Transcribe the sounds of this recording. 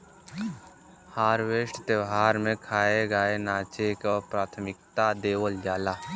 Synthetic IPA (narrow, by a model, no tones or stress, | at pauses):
haːɾweːsʈt̪əwɦaːɾmẽkʰaːeɡaenaːt͡ʃekapɾaːt̪ʰəmɪk̚t̪ad̪eːʋəld͡ʒaːlaː